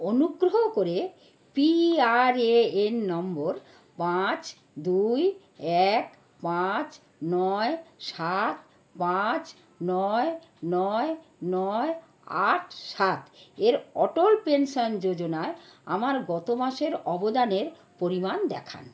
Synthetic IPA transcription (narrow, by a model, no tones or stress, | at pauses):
onuɡɾoɦokoɾe | piaɾeenːɔmboɾ | pat͡ɕ | d̪uj | ɛk | pat͡ɕ | nɔeʃat̪̚ | pat͡ɕ | nɔe | nɔenɔe | a̰ʈʰʃat̪eɾɔʈolpenʃond͡ʑod͡ʑonaea̰maɾɡɔt̪omaʃeɾɔbod̪aneɾ | poɾimand̪ɛ̰kʰa̰n